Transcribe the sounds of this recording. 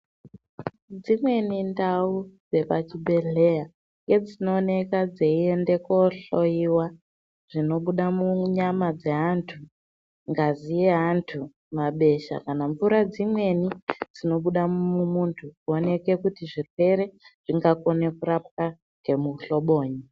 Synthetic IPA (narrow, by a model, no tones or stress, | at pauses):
d͡zimwe̞nindaud͡ze̞pat͡ʃibʱe̞ɮe̞ja | ŋɡe̞d͡zino̞ːne̞kad͡zeie̞nde̞koɬo̞jiwa | ʐ̥ino̞ɓuɗamuɲamad͡ze̞ɦantʰu | ŋɡazijeɦantʰu | maɓe̞ʃa̰kanaɱvuɾad͡zimwe̞nid͡zino̞ɓuɗamumuntʰukuone̞ke̞kutiʐirwe̞ɾe̞ʐ̥iŋɡako̞ne̞kurap̚ka | ŋɡe̞muɬo̞ɓo̞ːɲi